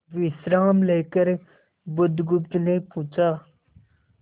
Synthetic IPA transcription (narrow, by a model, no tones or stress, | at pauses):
ʋisɾaːmleːkəɾ | bʊd̪ɡʊpt̪nepũt͡ʃaː